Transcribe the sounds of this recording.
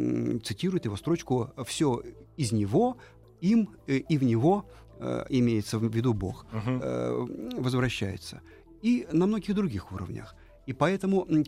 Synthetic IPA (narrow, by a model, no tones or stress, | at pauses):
t̪sɨtʲiɾʊɪt̪jɪvo̞st̪ɾo̞t͡ɕkʊfsʲoɪzʲnʲɪvo̞ | imivnʲɪvo̞̰ | ɪmʲejɪt̪səvʲːɪd̪ubo̞̰x | vəzvɾɐɕːæjɪ̰t̪sə̰ | inɐmno̞ɡʲɪɣd̪ɾʊɡʲixuɾə̰vnʲə̰x | ipɐɛt̪əmʊ